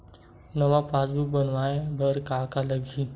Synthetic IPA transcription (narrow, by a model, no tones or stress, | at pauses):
nəʋapaːzubənʋaːẽbʱəɾkaːkaləɡʱi